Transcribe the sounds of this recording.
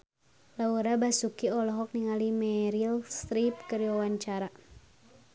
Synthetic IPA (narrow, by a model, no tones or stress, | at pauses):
lauɾabasukiɔlɔɦɔk̚niŋalimɛɾilst̪ɾip̚kəɾjawaɲt͡ʃaɾa